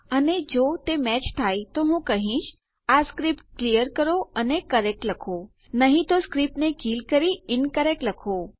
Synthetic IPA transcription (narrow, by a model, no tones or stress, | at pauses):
əned͡ʒot̪emɛt͡ʃt̪ʰait̪oɦũkəɦĩʃ | askɾipʈklijəɾkəɾoənekəɾɛk̚ʈləkʰo | nəɦĩt̪oskɾip̚nekilkəɾiɪnkəɾek̚ʈləkʰo